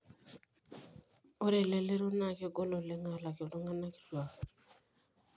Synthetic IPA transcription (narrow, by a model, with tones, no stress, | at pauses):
o˦ɾe˨le˨le˦ɾo˦na˦˨kɪ˦ɡɔ˦lɔ˨le˦ŋa˦˨la˨ke˨o˨ɾo˦ŋa˦na˦kɪ̥˨twa˨